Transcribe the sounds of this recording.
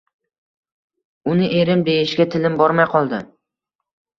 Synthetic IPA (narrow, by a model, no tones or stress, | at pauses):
ʊnɪʔe̞ɾɪmd̪ejɪʃɡʲat̪ʰɪlɪmbɒɾmajqʰɒlˠd̪ɪ